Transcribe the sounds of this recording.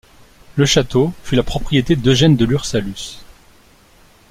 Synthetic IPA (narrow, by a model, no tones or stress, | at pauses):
ləʃat̪ofylapχɔpχijet̪ed̪əʒɛnd̪əlyʁsalys